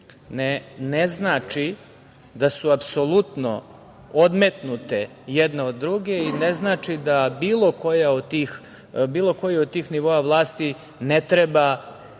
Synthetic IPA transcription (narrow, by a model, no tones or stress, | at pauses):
neneznaːt͡ʂi | d̪asuapsolˠut̪no̰ | od̪met̪nut̪e | jɛd̪neo̞d̪ːɾuɡe̞ineznaːt͡ʂid̪abiːlˠo̞kojaod̪t̪iːx | biːlˠo̞ko̞jiod̪̚t̪iːxniʋo̞aʋlˠaːst̪i | net̪ɾeba